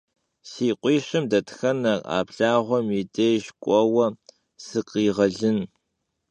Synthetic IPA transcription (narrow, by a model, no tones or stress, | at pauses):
siːqʷʼiːɕɪmdɐtxɐnɐa̰ːbɬaːʁʷɔmideːɕkʷʼɔwɐ | sɨqiːʁɐɮɨn